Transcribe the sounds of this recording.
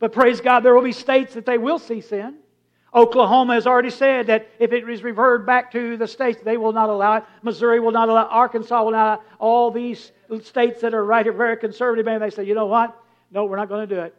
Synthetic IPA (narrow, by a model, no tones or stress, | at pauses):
b̥ʌt̚pʰɹ̥eɪzɡɑd̪̚ðə˞wəlˠbisteɪtsðɨt̪̚ðeɪwɪlˠsisɪ̃n | ʔoʊkləɦõʊ̃mɨɨzl̩ˠɹɛɾisɛd̪̚ðɨɾɨfɨt̚ɹɨzɹɨvɜ˞d̚bæk̚tʰɨðɨsteɪtsðeɪwɪlˠnəɾəlaʊɨt̚məzʊɹiwəlˠnəɾəlaʊʔɑɹkɨ̃nsɔlˠwəlnaʊɔlˠðiz̥ | steɪtsðɨɾə˞ɹaɪɾɨt̚vɛɹikɨ̃nsɜ˞vɨɾɨvmæ̃nðeɪsɛdjɨnoʊwʌt̚ | noʊwɨɹnət̚ɡ̥ʌnɨdɨɪt̚